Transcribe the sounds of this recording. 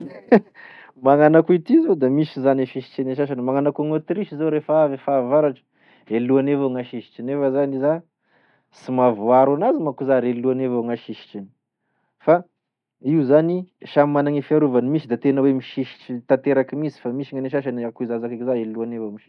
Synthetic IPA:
maŋanakuit̪izod̪amisizaneʃiʃi̥t͡ʃaneʃaʃanimaŋanakuŋot̪ɾiʃizoɾefaavefaːvaɾaʈ͡ʂə̥ | eluanevoŋaʃiʃi̥t͡ʃinefəzaniza | simavuaɾanazimakuzaɾeluanevoŋaʃiʃi̥t͡ʃini̥ | fa | iuzaniʃamimanaŋifiaɾuvanimisid̪at̪enəwemiʃiʃi̥ʈ͡ʂit̪at̪eɾakimisi̥famisiŋaneʃ̬aʃ̬anakuizazakakizaeluanevomiʃi̥

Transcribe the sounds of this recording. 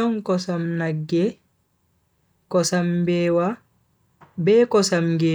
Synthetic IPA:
ɔŋkɔsamnaɡːɛ | kɔsambɛwa | bɛːkɔsamɡɛ

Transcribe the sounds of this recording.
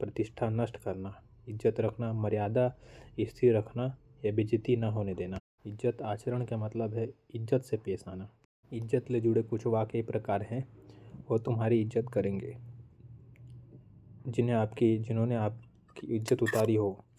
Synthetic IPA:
pɾɐt̪ɪʃʈʰanɐʃʈkɐɾna | ɪd͡ʒːət̪ɾɐkʰnamɐɾɪjaːd̪aɪst̪ʰiɾɐkʰnajabɪd͡ʒɪt̪inɐɦoːned̪eːna | ɪd͡ʒət̪aːt͡ʃəɾəɽ̃kamɐt̪ləbɦɛɪd͡ʒːət̪sepeːsaːna | ɪd͡ʒːət̪led͡ʒʊɽekʊt͡ʃʰʋaːkəipɾɐkaːɾɦɛ̃oːt̪ʊmɦaːɾiɪd͡ʒzət̪kɐɾẽːŋɡeː | d͡ʒɪnɦẽaːpkid͡ʒɪnɦõːneaːp̚ | kiɪd͡ʒət̪ʊt̪aːɾiɦoː

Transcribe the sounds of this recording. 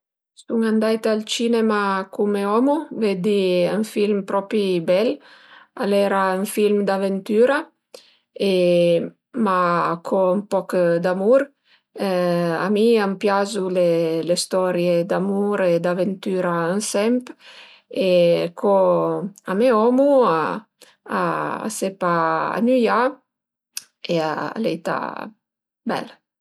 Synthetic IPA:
suŋand̪ajt̪alt͡ʃinemakʰumeɔmuvɛd̪iɛɱfilmpɾɔpibɛlalɛɾayɱfilmd̪avent̪yːɾa | e | makʰɔmpɔkd̪amuɾ | a̰miampjazulelest̪ɔɾjed̪amuɾed̪avent̪yːɾaənsɛmp | ekʰɔ | ameɔmua | a̰ːsepaa̰nyja | eaa̰lɛjt̪a̰ | bɛ̰l

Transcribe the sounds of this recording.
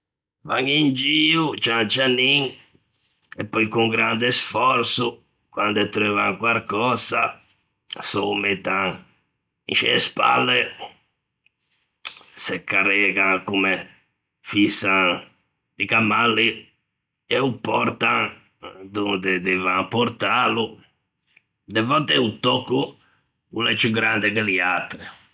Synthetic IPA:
va̰ŋind͡ʒiːut͡ʃant͡ʃaniŋ | ɛpːɔjkuŋɡɾand̪ɛsfɔɾt̪su | kwand̪ɛt̪ːɾøvaŋkwaɾkɔːza | sɔmɛt̪ã | ḭʃɛ̰spa̰lːɛ | sɛkʰːarɛːɡaŋkumɛ | fisa | d̪ikamalːi | ɛupːɔɾt̪an | d̪und̪ɛd̪ivaŋpɔɾt̪aːlu | d̪ɛvɔt̪ːɛut̪ːɔkːu | kulɛt͡ʃːuɡːɾand̪ɛkɛliat̪ːɾi

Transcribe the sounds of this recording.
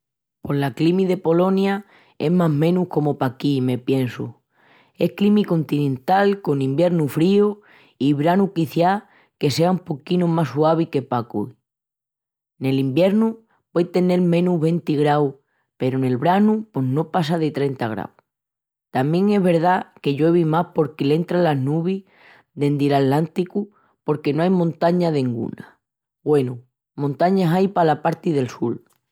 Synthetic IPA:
po̞ɦlaklimiðe̞po̞lo̞nja | e̞ɦmaɦmẽ̞nuhko̞mo̞pakime̞pje̞nsu | e̞hklimiko̞nt̪inẽ̞nt̪alko̞nĩmbje̞ɾnufɾio | iβɾanukiθja | ke̞se̞aumpo̞kinomasuaβ̞ike̞pakṵi | ne̞limbje̞ɾnu | pwejt̪e̞ne̞lmẽ̞nuɦβe̞nt̪iɣɾaw | pe̞ɾone̞lβɾanupo̞ɦno̞pas̬að̞e̞t̪ɾe̞nt̪aɣ̞ɾa̰w | t̪amjẽ̞ŋe̞ɦβe̞ɾðake̞ʝwe̞βimapo̞ɾkele̞nt̪ɾalaɦnuβ̞i | ðe̞nd̪ilallant̪iku | po̞ɾke̞noajmõnt̪aɲaðeŋɡṵna | bwe̞nu | mõnt̪aɲasajpalapaɾt̪iðe̞lsul

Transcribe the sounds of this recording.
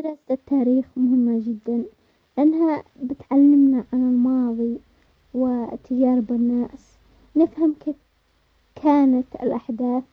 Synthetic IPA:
d̪ɪɾaːsɪt̪ːaːɾiːxmʊɦɪmːad͡ʒɪd̪ːan | lɪʔanːhabɪt̪ʕalːɪmnaʕanɪlmɑːðˤi | wɪt̪ʰːad͡ʒɑːɾbɪnːaːs | nɪfhamkeː | kʰaːnat̪ɪ̰lʔaħd̪aːθ

